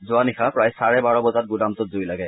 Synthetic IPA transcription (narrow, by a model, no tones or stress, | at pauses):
zʊanixapɹajsaɹɛbaɹɔbɔzat̚ɡudamtɔtzojlaɡɛ